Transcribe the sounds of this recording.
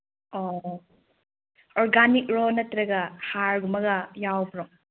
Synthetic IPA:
ɔ | ɔɾɡanik̚ɾonɐt̪ɾɐɡɐhaɾɡumɐɡɐjawbɾɔŋ

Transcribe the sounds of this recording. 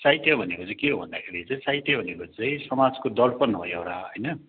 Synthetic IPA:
sajt̪jʌbʱʌnekot͡sʌ̃j̃keɦobʱʌ̰nd̪akʰeɾit͡sʌ̃j̃t͡sajt̪jʌbʱʌnekot͡sʌ̃j̃sʌmad͡zkod̪ʌlpʌnbʱʌjewɾaɦʌjnʌ

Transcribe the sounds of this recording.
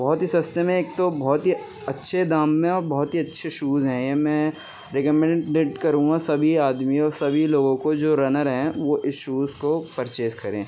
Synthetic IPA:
bɔɦːt̪ɦisɐst̪emẽeːk̚t̪obɔɦːt̪ɦi | ɐtːʃʰed̪aːmːẽɔːɾbɔːt̪ɦiɐtːʃʰeʃuːzɦɛ̃jemɛ̃ː | ɾekəmɛ̃ɖeːʈkɐɾũŋɡasɐbʱiaːd̪miɔːɾsɐbʱiloːɡõkod͡ʒoːɾɐnəɾɦɛ̃ʋoʔɪsʃuːzkopɐɾt͡ʃeːskɐɾẽː

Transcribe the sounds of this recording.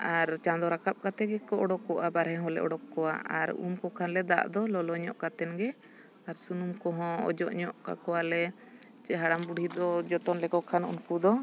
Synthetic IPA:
aɾt͡ʃand̪ɔɾakap̚kat̪ɛɡɛkɔɔɽɔkːɔʔabaɾɦɛ̃ɦɔ̃lɛ̰ʔɔ̰ɽɔkːɔwa̰aɾṵmkɔkʰanlɛd̪a̰ʔd̪ɔlɔlɔɲɔʔkat̪ɛnɡɛ | aɾsunumkɔɦɔ̃ɔ̰d͡ʒɔʔɲɔʔka̰kɔwalɛ | t͡ʃɛɦaɽambuɽʱid̪ɔd͡ʒɔt̪ɔnlɛkɔkʰanṵnkud̪ɔ

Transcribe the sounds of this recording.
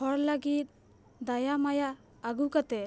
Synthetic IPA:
ɔɾlaɡit̪̚ | d̪ajamajaː | ɡukat̪ɛ

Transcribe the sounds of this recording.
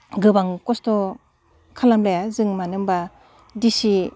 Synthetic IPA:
ɡɯbaŋkɔstɔ | kʰalamlajazɯŋmanɯmba | disi

